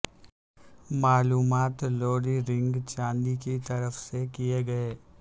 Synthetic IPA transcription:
maːluːmaːt̪loːɽiɾɪ̃ŋɡt͡ʃãːnd̪ikit̪ɐɾəfsekijeɡɐeː

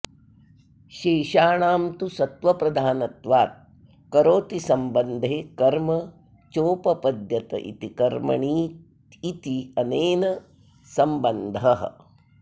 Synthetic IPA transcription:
ʃeːʃaːɳaːmt̪usɐt̪ʋɐpɾɐd̪ʱaːnɐt̪ʋaːt̪̚ | kɐɾoːt̪isɐmbɐnd̪ʱeːkɐɾmɐ | t͡ʃoːpɐpɐd̪jɐt̪ɐ̰ʔḭt̪ikɐɾmɐ̰ɳiːt̪ | it̪iɐneːnɐ | sɐmbɐnd̪ʱɐɦ̆

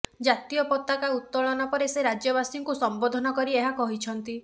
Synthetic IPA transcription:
d͡ʒat̪ijɔpɔt̪ːakaut̪ːɔɭɔnɔpɔɾeseɾad͡ʒjɔbasiŋkusɔmbod̪ʱɔnɔkɔɾieɦakɔɦit͡ʃʰɔnt̪i

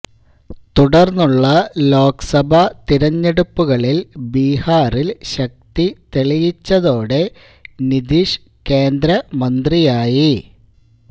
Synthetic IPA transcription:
t̪uɽɐrnːuɭːɐlo̞ːksɐbʱɐt̪iɾɐɲːeɽupːuɣɐɭilbiːhaːrilɕɐk̚t̪it̪eɭijit͡ɕːɐðo̞ːɽe̞ | nid̪iʂ | ke̞ːnd̪ɾɐmɐnd̪rijaːji

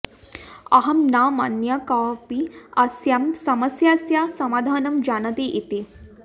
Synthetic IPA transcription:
ɐɦɐmnaːmanjakapiɐsjamsɐmɐsjasjasɐmaːd̪ʱaːnɐmd͡ʑaːnɐt̪eʔit̪e

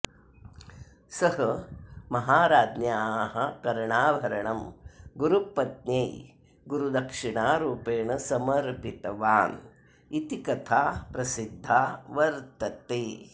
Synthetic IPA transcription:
sɐɦɐmɐɦaːɾaːd̪njaːɦɐkɐɾɳaːʋʱɐɾɐɳɐmɡuɾupɐt̪̚nɐj | ɡuɾud̪ɐkʂiɳaːɾuːpeːɳɐsɐmɐɾpit̪ɐʋaːn | it̪ikɐt̪ʰaːpɾɐsid̪ʱːaːʋɐɾt̪ɐt̪eː

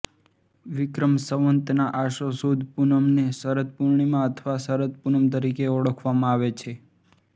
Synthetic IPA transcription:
ʋɪkɾəmsəʋənt̪naʔaʃosud̪ʱpunəmnesəɾət̪̚puɾɳ̃imãət̪ʰʋasəɾət̪̚punəmt̪əɾikeɔɽəkʰʋamãaʋet͡ʃʰe

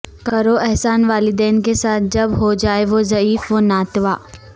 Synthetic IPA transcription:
kɐɾoɛɦsaːnʋaːlid̪eːnkesaːt̪̚ʰd͡ʒɐbɦod͡ʒaːeʋozɐiːfʋonaːt̪ʋaː

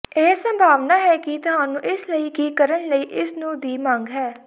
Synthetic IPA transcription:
eːsə̃mbʱaːʋnaːɦɛːkit̪ʊɦaːnũːʔɪsləiːkiːkəɾənləiːʔɪsnũːd̪iːmãːŋɡɦɛː

